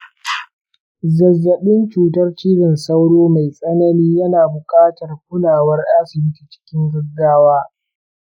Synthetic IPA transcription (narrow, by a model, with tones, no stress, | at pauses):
zɐ˨zːɐ˨ɓɪ˦nt͡ʃuː˨tɐ˦rt͡ʃiː˦bɪ˨nsɐ˦wɽoː˦ma˨jsʼɐ˦nɐ˦niː˦jɐ˦naː˨bʊ˨kʼaː˦tɐ˨rkʷʊ˦laː˨wɐ˦rʔaː˦sɪ˨bɪ˦ti˨t͡ʃɪ̥˦kʲɪ˦ŋɡʊ˦ɡaː˦waː˦